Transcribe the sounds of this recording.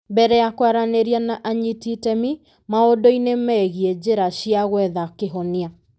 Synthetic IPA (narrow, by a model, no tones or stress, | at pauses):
mbɛɾɛjakwaɾaneɾianaʔaɲititɛmi | maodɔinemɛːɣiɛd͡ʑeɾaɕiaɣwɛðakeɦɔnia